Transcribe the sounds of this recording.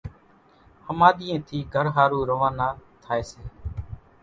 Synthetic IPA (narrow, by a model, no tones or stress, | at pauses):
həmaːɗ̪ɪjẽːt̪ʰiːɡʱəɾɦaːɾuːɾoʋãːnaːt̪ʰaːeːseː